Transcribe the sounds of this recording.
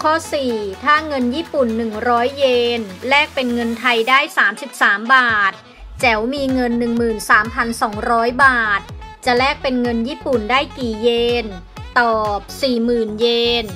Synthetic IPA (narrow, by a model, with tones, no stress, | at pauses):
kʰɔː˥˩siː˨˩t̪ʰaː˥˩ŋɤ˧njiː˥˩pu˨˩nːɯ˨˩ŋɾɔː˦˥jːeː˧nlɛː˥˩k̚pe˧nŋɤ˧nt̪ʰa˧jdaː˥˩jsaː˩˦msi˨˩p̚saː˩˦mbaː˨˩t̪̚ | t͡ɕɛ˩˦wmiː˧ŋɤ˧nːɯ˨˩ŋmɯː˨˩nsaː˩˦mpʰa˧nsɔː˩˦ŋɾɔː˦˥jbaː˨˩t̪̚t͡ɕa˨˩lɛː˥˩k̚pe˧nŋɤ˧njiː˥˩pu˨˩ndaː˥˩jkiː˨˩jeː˧n | t̪ɔː˨˩p̚siː˨˩mɯː˨˩njeː˧n